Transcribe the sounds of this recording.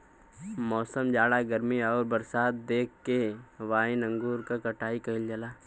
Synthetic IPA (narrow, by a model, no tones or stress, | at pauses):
mɔːsəmd͡ʒaːɽaɡəɾmiɔːɾbɐɾsaːt̪̚d̪eːkːeʋaːɪnɐ̃ŋɡuːɾkakɐʈaːikɐɦɪld͡ʒɐlaː